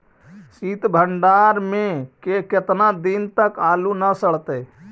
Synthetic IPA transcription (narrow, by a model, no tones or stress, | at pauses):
siːt̪bʱəɳɖaːɾmẽkekɪt̪nad̪int̪əkaːlunəsəɽ̤t̪e